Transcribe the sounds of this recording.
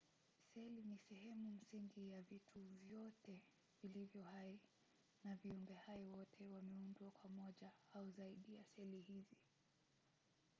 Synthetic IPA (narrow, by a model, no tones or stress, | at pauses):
sɛlinisɛɦɛmum̩siŋɡijavitʰuvjɔtɛ | vilivjɔhai | naviumbɛhaɔwɔtʰɛwamɛundwakwamɔʄaauzaiɗijasɛlihizi